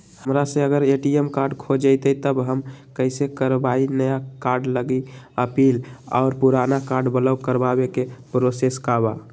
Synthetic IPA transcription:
həmɾasẽəɡəɾeʈiemkaɾɖkʰod͡ʒəɪt̪ət̪əbɦəmkəɪsekəɾbainəjakaɾɖləɡiəpilɔ̰ʊɾpuɾanakaɾɖbələʊkəɾbabekepɾoseskaba

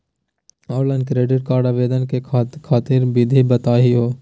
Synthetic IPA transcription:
ɔːɾlə̃nkɾeːɖɪʈ̚kaːɾɖaːʋeːd̪ənkekʰaːt̪ɪɾbɪd̪ʱibɐt̪aːɦiɦoː

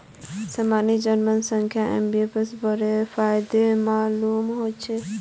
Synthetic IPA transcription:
səmanid͡ʒənmənsəŋkʰjaʔḛmbiepesbəɾepʰajd̪emalumɦot͡ʃʰɛ

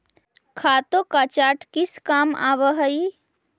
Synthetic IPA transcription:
kʰat̪okat͡ʃaʈkiskama̰βəɦəj

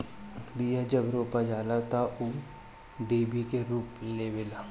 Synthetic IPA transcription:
bijad͡ʒəbɾoːpad͡ʒaːlat̪aʔu | ɖeːbikeɾuːpleːbɪla

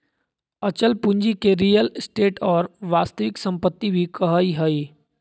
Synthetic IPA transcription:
ət͡ʃəlpũɲd͡ʒikeɾijəlsʈeːʈɔːɾʋaːst̪əʋɪksə̃mpət̪ːibʱikəɦiɦəi

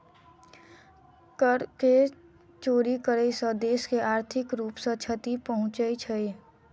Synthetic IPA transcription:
kəɾke | t͡ʃoːɾikəɾeisəd̪eːskeʔaːɾt̪ʰɪkɾuːpsə̃t͡ʃʰət̪ipəɦʊ̃t͡ʃəit͡ʃʰəi

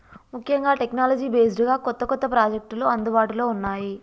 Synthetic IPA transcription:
mukʰjɐŋɡaːʈeknaːlɐd͡ʒiːbeːsɖuɡaːkɔt̪ːɐkɔt̪ːɐpɾaːd͡ʒek̚ʈloɐnd̪ubaːʈulo̞ːunːaːji

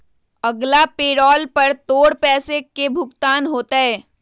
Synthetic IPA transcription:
ɐɡlapeːɽɔːlpɐɾt̪oːɽpɛːsekebʱʊkt̪aːnɦoːt̪aɦɛː

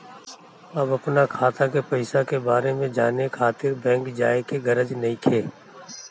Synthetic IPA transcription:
ɐbɐpnakʰaːt̪akepɐɪsakebaːɾemẽd͡ʒaːnekʰaːt̪ɪɾbɛ̃ːŋkd͡ʒaːekeɡɐɾəd͡ʒnɐɦĩkʰeː

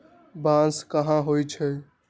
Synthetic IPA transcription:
bãːnskəɦãɦoːit͡ʃʰeː

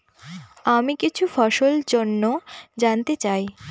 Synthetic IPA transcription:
amikit͡ɕʰufɔʃold͡ʑonːod͡ʑant̪et͡ɕaj

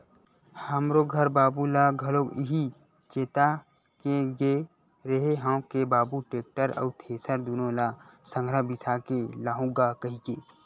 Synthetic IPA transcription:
həmɾoɡʱɐɾbaːbulaɡʱɐloɪɦi | t͡ʃeːt̪a | keɡe | ɾɐɦeɦãkebaːbuʈeːk̚ʈəɾə̰ːt̪ʰeːsəɾd̪unõlasə̃ŋɡʱɾəbɪsakelaːɦũɡakɐɦikeː

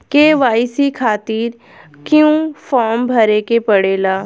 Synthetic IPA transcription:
keʋaːɪsikʰaːt̪iːɾ | kjũːfɔːɾmbʱɐɾekepɐɽeːlaː

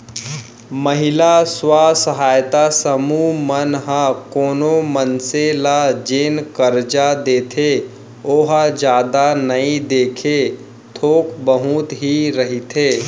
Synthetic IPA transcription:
məɦɪlaswasəɦaːjt̪asəmumənɦãkoːnomənselad͡ʒeːnkəɾd͡ʒad̪eːt̪ʰe | oːɦad͡ʒjaːd̪anɐid̪eːkʰe | t̪ʰoːkbəɦut̪ɦiɾəɦit̪ʰeː

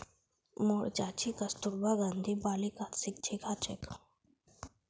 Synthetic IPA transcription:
moɽd͡ʑat͡ɕikəst̪uɾbaɡãnd̪ʱibalikat̪sik̚t͡ɕʰikʰat͡ɕḛk

